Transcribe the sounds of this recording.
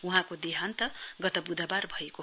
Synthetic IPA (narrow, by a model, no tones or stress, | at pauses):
uɦãkod̪eɦant̪ʌɡʌt̪ʌbud̪ʱabarbʱʌeko